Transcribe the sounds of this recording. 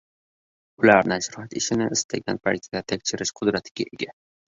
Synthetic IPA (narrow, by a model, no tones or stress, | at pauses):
ʊlaɾnaʃʊɾɑt̪ɪʃɪnɪɪst̪ʰaɡʲanpʰalʲit̪ʲi̥d̪at̪ʰekʲt͡ʃʰɪɾɪʃqʰʊd̪ɾat̪ʰɪ̥ɡʲaʔeɡʲa